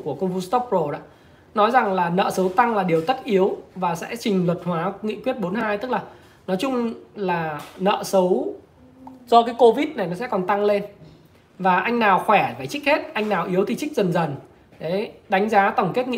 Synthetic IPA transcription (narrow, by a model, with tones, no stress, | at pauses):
ku˧˩əkə˧wŋ͡mfu˧st̪ɔ˦˥p̚ɹo˧ɗa̰ː˧˥ | nɔ˨˦jza˨˩ŋlaː˨˩nə̰ː˧˨sə˨˦wt̪a˧ŋlaː˨˩ɗi˨˩əwt̪ə˦˥t̚ʔi˨˦əwvaː˨˩sɛ̰˧˥t͡ɕï˨˩ŋ̟lwə˨˩t̚hwaː˨˦ŋḭ˧˨kwi˦˥ət̚ɓo˨˦nɦaː˧jt̪ɨ˦˥k̚laː˨˩ | nɔ˨˦jt͡ɕʊ˧ŋ͡mlaː˨˩nə̰ː˧˨sə˨˦w | zɔ˧kaː˨˦jko˧vi˦˥t̚na˨˩jnɔ˨˦sɛ̰˧˥kɔ˨˩nt̪a˧ŋle˧n | vaː˨˩ʔa˧jŋ̟naː˨˩wxwɛ˧˩vaː˨˩t͡ɕï˦˥k̟̚he˦˥t̚ʔa˧jŋ̟naː˨˩wʔi˨˦əwt̪ʰi˨˩t͡ɕï˦˥k̚zə˨˩nzə˨˩n | ɗe˨˦ɗa˨˦jŋ̟zaː˨˦t̪ə˧˩wŋ͡mke˦˥t̚ŋḭ˧˨